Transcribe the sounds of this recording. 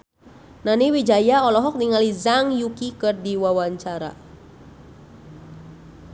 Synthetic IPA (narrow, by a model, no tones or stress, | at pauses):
naniwid͡ʒajaɔlɔɦɔk̚niŋalizaŋjukikɨrdiwawaɲt͡ʃaɾa̰